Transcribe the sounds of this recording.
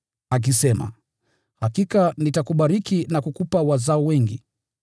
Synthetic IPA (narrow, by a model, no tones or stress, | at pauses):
ak̬isɛma̰ | hakikanitakuɓaɾikinakukupawazaɔwɛŋɡi